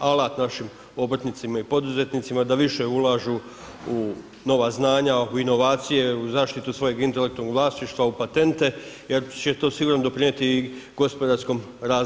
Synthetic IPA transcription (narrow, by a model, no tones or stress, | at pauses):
alat̪naʃim | o̞bɾt̪nit̪simaipo̞d̪uze̞t̪nit̪simad̪aʋiʃe̞ulaːʒu | u | no̞ʋaznaːɲauino̞ʋaːt̪sije̞uzaːʃt̪it̪usʋo̞je̞ɡint̪e̞lek̚t̪unoɡʋlˠaːsniʃt̪ʋaupat̪e̞nt̪e̞je̞ɾt͡ɕe̞t̪o̞ːsiɡuːɾnd̪o̞pɾine̞t̪iɡ̥o̞spo̞d̪aɾsko̞mɾaː